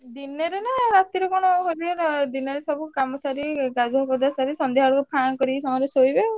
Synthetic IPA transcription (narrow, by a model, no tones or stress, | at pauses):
d̪inɔɾenaɾat̪iɾɔkɔɽ̃ɔɦobiɾd̪inɔɾesɔbukamɔsaɾiɡad͡ʒuɦɔkɔd̪asaɾisɔnd̪ʱiɦaɽukupʰankɔɾisɔmɔɾesojbe